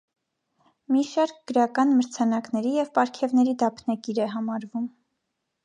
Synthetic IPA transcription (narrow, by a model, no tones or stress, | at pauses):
miʃɑɾk̚ɡ̥əɾɑkɑnməɾt͡sʰɑnɑknɛɾijɛvpɑɾkʰɛvnɛɾid̪ɑpʰnɑkiɾɛɦɑmɑɾvum